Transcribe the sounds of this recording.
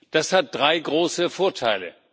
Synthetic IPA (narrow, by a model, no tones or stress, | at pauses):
d̥ashat̚d̥ʁaɪɡʁoːsəfoːɐtʰaɪlə̰